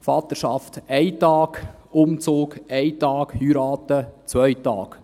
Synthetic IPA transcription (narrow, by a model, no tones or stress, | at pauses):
fɑt̪əɾʃɑft̪ɛɪt̪ɑːɡ̥ | ʊmt͡soːkɛɪt̪ɑːkhyɾɑːt̪ət͡sʋœʏjtɑ̰ːk